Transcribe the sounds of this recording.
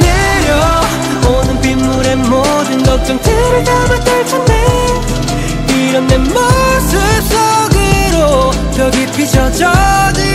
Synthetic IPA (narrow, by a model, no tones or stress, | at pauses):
ne | jo | onɯnpimːuɾemo | dɯnɡʌk̚t͡ɕ͈ʌŋtʰɯɾɯtamantɯɭt͡ɕʰʌnde | iɾʌnːemʌsɯs͈ʌɡɯɾo | tʌɡipʰid͡ʑʌd͡ʑʌdɯ